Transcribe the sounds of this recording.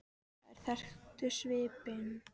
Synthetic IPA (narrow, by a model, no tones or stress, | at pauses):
ɛ̰ɾ̥θɛr̥t̪ʏsvɪːpɪn